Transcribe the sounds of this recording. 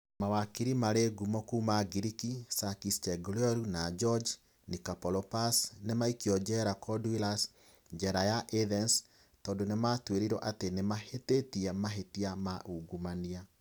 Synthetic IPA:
mawakiɾimaɾeɡumɔkuːmaɡiɾikisakist͡ʃɛɡulɔɾunad͡ʒɔd͡ʒ | nikapɔlɔpasnemaikiɔd͡ʒɛɾakɔdwilas | ɲd͡ʒɛɾajaʔeðɛns | tɔːndonematweɾiɾɔʔatenemahetetiɛmaɦetiamaʔuɡumania

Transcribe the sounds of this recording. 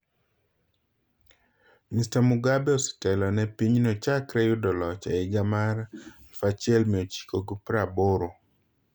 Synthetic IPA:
mistamʊɡabɛɔsi̥tɛlɔnɛpiɲnɔt͡ʃakɾɛjʊdɔlɔt͡ʃaɪɡamaɾɛfat͡ʃɪɛlmɪot͡ʃi̥koɡupɾaboɾo

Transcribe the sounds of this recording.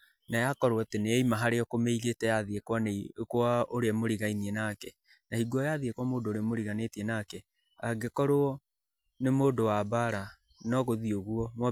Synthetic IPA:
najakɔɾoɔteneɛimaɦaɾeɔkomeiɣetɛjaðiekwɔneikwaoɾeɛmoɾiɣainiɛnakɛ | nahiɡwɔjaðiekwɔmoːdoːɾemoɾiɣanetiɛnakɛ | aɡekɔɾoɔ | nemoːdowabaɾa | nɔɣoðioɣuɔmwɔ

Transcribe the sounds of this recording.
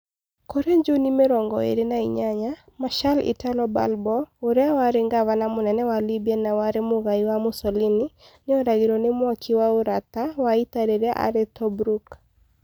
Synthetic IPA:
kɔɾeɲd͡ʒunimeɾɔŋɡɔ̰ḛɾenaiɲaɲa | maʃalḭtalɔba̰lbɔʊɾɛawaɾɪŋɡawanamʊnɛnɛwalibjɛnawaɾemʊɣaiwamʊsɔlini | nɪɔɾaɡiɾɔnɪmwɔkʰiwauɾat̪await̪aɾeɾɛʔa̰ɾɛt̪ɔbɾuk

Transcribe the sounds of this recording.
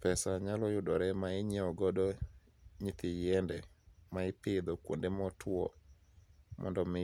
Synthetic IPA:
pɛsaɲalɔjʊdɔɾɛmaɪɲɛɔɡɔdɔ | ɲit̪ɪjɛndɛmaɪpɪd̪ɔkwo̰ndemɔtʰwɔ̰ | mʔɔ̰ndɔmɪ

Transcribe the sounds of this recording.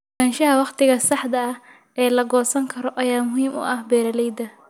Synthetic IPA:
aːnʃɐɦɐwɑχt̪ʰɪɣɐsɑħd̪ɐɐh | ʔɛːlɐɡɔːsɐŋkʰɐɾɔʔɐjaːmʊɦiːmʊ̰ʔɐhbɛːɾɐlɛjd̪ɐ

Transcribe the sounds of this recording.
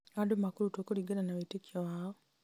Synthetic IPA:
adomakulutokuliɡalanaβetekʰawaːo

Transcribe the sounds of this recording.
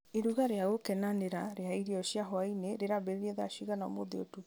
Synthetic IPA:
eɾuɣaɾeaɣokɛnaneɾaɾeaiɾiɔɕiaɦɔaineɾeɾaβeɾeɾieðaaɕiɣanao̰moðeotu

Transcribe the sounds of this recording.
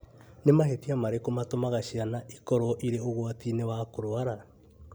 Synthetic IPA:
nemahetiamaɾekomatomaɣaʃianaʔikɔɾɔʔiɾeoɣwatinewakoɾwaɾa

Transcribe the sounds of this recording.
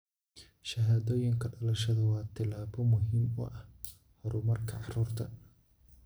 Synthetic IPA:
ʃɐɦaːðoːjɪŋkʰɐɖɐlɐʃɐðɐwɑːt̪ʰɪlaːβɔmʊɦiːmʊ̰ʔɐh | hɔɾʊmɐrkʰɐʕɑruːrt̪ʰɐ

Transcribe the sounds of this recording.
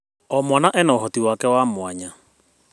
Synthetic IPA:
ɔmwanaʔɛnaoɦɔtiwakɛwamwaɲa

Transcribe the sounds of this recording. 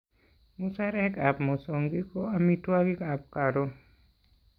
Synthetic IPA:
musaɾɛkapmɔsɔŋɡikɔamiʈʰuaɡikap̚kaɾɔ

